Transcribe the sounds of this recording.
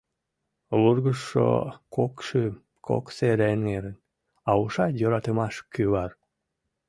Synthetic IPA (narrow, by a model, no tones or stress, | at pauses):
βurɣəʃːo̰kokʃy | kʰo̰kseɾeneɾən | ɑuʃɑjøɾɑt̪əmɑʃkyβɑr